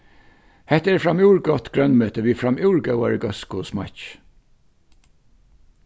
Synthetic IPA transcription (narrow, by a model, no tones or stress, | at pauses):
hɛt̪ɛːɹfɹɑmuːɹɡɔt̪ɡ̥ɹœnmøːt̪əʋiːfɹɑmʉʊɹɡœʊɑ̰ɹəɡɔskʊsmɑ̰ç